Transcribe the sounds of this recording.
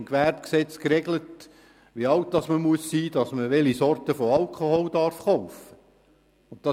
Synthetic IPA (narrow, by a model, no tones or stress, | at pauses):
mkʋærpksɛt͡skɾɛɡlət | ʋiɑwt̚dɑsməmuəsːiːdɑsməʋɛlisɔɾtəfoɑlkʰoholdɑɾfχɔʊfə | ʊnt̚t̪ɑ